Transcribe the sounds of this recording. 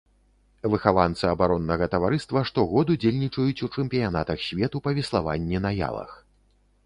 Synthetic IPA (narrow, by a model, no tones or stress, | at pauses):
vɨxavant̪sɨɐbaɾɔnːɐɣɐt̪ɐvaɾɨst̪vɐʂt̪ɔɣɔd̪ud͡zʲelʲnʲit͡ʂɐjut͡sʲut͡ʂɛmʲpʲijanat̪ɐxsʲvʲɛt̪upɐvʲɛslˠava̰nʲːɛnɐja̰lˠɐ̰x